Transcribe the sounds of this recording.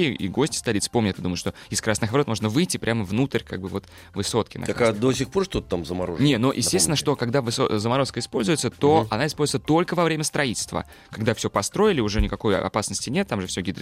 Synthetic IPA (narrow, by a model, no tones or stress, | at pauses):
ḭɡo̞sʲtʲɪ̥st̪ɐlʲit̪sɨ̥po̞mnʲɪt̪ɨd̪uməɪʂt̪oɪskɾasnɨxvɐɾo̞t̪mo̞ʐnəvɨjtʲːɪpɾʲʔaməvnut̪əɾʲka̰ɡ̚bɨvo̞t̪ | vɨso̞t̪kʲɪnɐ̰akkad̪osʲɪxpo̞rʂt̪ot̪ət̪amzəmɐɾoʐnʲenoʔjʔɪsʲest̪ʲɪnəʂt̪o̞kɐɡd̪avɨso̰zəmɐɾo̞skəɪspo̞lʲzʊjɪt̪sət̪o̞ɐnaɪspolzʊɪt̪sət̪o̞lʲkəvɐvɾʲemʲəst̪ɾɐitʲɪl̥ʲst̪və̰ | kɐɡd̪afsʲɵpɐst̪ɾo̞ɪlʲɪʊʐɛnʲɪkɐko̞jɐ̰ɐ̰pasnəsʲtʲɪnʲe̞t̪ːamʐɨfsʲoɡʲid̪ɾ